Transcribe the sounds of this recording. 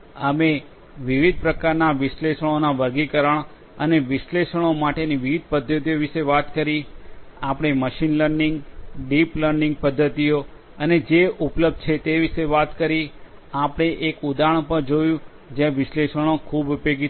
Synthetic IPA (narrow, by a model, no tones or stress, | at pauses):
əme | ʋiʋid̪̚ʱpɾəkaɾnaʋɪʃleʃəɽ̃onaʋəɾɡikəɾəɳ̃ | əneʋɪʃleʃəɽ̃omaʈeniʋiʋid̪̚pəd̪ʱːət̪ijoʋiʃeʋat̪kəɾiapɽ̃eməʃinləɾniŋɡɖipləɾɖiŋɡ̚pəd̪ʱːət̪ijo | əned͡ʒeupləb̚d̪̚t͡ʃʰet̪eʋiʃeʋat̪kəɾiapɽ̃eʔekud̪aɳ̃pəɾd͡ʒojũ | d͡ʒẽʋɪʃleʃəɽ̃okʰubupjoɡi